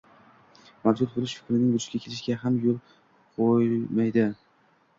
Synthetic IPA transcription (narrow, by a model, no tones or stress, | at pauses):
mavd͡ʒʊt̪̚bolˠɪʃfɪ̥kʲɾɪnɪŋbʊd͡ʒɪʃɡʲakʰʲelɪʃɡʲaɦamjolˠ | qʰojmajd̪ɪ